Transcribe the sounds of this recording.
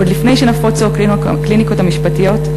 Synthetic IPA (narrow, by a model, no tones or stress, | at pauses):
od̪lifne̞jʃenafot͡soaklin | kliniko̞thamiʃpatijo̞t̪